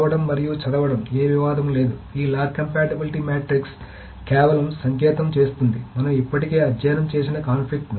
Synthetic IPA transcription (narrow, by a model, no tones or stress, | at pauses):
ʋɐɽɐmːɐɾijut͡ʃɐd̪ɐʋɐɽɐmeːʋiʋaːd̪ʱɐmle̞ːd̪uiːlaːɾkɐmpaːʈebiliʈimaːʈɾiks | kɛːʋɐlɐmsɐŋk̬ɛːt̪ɐmt͡ʃe̞ːst̪und̪imɐnɐmipːɐʈike̞ːɐdːaːnɐmt͡ʃeːs̬inɐkaːnpʰlik̚ʈn